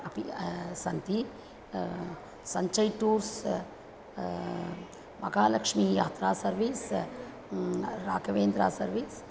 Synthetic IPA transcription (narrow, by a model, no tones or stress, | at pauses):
ɐpisɐnt̪i | sɐɲt͡ʃɐjʈuːɾs | mɐɡaːlɐkʂmijaːt̪ɾaːsɐɾʋis | ɾaːɡɐʋeːnd̪ɾa̰ːsɐɾʋiːs